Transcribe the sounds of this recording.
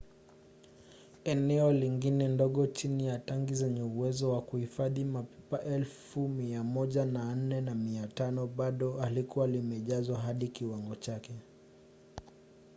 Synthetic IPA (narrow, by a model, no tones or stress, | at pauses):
ɛnɛɔliŋɡinɛndɔɠɔt͡ʃinijataŋɡizɛɲɛuwɛzɔwakuhifaðimapɛpaʔɛlfumiamɔʄanan̩nɛnamiatanɔɓaɗɔalikuwalimɛʄazwaɦaɗikiwaŋɡɔt͡ʃakɛ